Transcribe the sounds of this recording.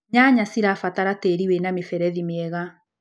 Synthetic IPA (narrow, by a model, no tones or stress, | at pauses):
ɲaɲasiɾafataɾateɾiwenamefɛɾɛðimeɛɣa